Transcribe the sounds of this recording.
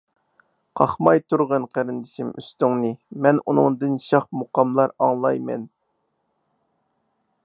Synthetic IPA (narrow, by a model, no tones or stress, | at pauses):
qʰɑχmɑjt̪uɾʁənqʰæɾɨnd̪ɪʃimy̰st̪yŋnɨmɛnunɨ̰ŋd̪ɨnʃɑχmoqɑmlˠɑɾɑŋlˠɑjmɛ̰n